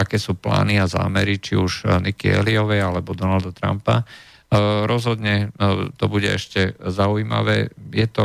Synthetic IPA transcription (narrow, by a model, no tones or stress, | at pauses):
akɛːsuːpla̰ːniaza̰ːmɛɾit͡ʃiuʒnikiɛ̰liɔʋɛjalɛbɔd̪ɔnald̪at̪ɾa̰mpa | ɾɔzɦɔd̪ɲɛt̪ɔbuɟɛ̰ɛʃcɛzauima̰ʋɛːjɛt̪ɔ